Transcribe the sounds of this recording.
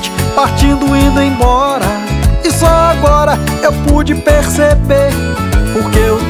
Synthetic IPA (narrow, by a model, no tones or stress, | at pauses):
t͡ʃɪ̥paɾt͡ʃĩnd̪ʊĩd̪ɐẽj̃bɔɾɐ | ɪsɔaɡɔɾɐewpud͡ʒɪpeɾsebeɾ | poɾkeew